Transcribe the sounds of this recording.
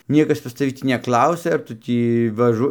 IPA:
ˈnʲiɛkɐs pɐs tɐˈʋʲɪ ˈtʲiː nʲɛˈklˠɐʊsʲɛ ɐr ˈtʊ tʲiː ʋɐˈʒʊ

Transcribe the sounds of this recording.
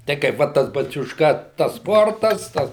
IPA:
ˈtɐɪ kɐɪp ˈʋɐt tɐs bɐt͡sʲʊʃˈkɐ tɐs ˈspoːrtɐs ˈtɐs

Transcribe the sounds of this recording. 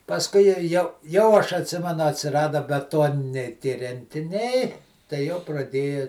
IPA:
pɐsˈkʊɪ jɛ jɛʊ jɛʊ ɐʃ ɐtʲˈsʲɪmʲɛnʊ ɐtʲsʲɪˈrɑːdɐ bʲɛˈtoːnʲɪnʲɛɪ tʲiɛ rʲɛnʲtʲɪˈnʲɛɪ tɐɪ jɛʊ prɐˈdʲeːjɛ

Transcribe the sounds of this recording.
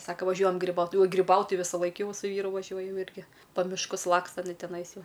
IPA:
ˈsɑːkɐ ʋɐˈʒʲuɔjɛm ɡrʲɪˈbɐʊt ɡrʲɪˈbɐʊt ˈtɐɪ ʋʲɪsɐˈlˠɐɪk ˈjɛʊ sʊ ˈʋʲiːrʊ ʋɐˈʒʲuɔj ˈjɛʊ ˈɪrʲɡʲɪ pɐ mʲɪʃˈkʊs ˈlˠɑːkstɐ ɪˈnɐɪ tʲɛˈnɐɪs ˈjɛʊ

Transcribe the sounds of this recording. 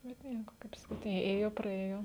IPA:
bʲɛt ˈnʲiɛkoː kɐɪp sɐˈkʲiːt eː ˈeːjoː prɐˈeːjoː

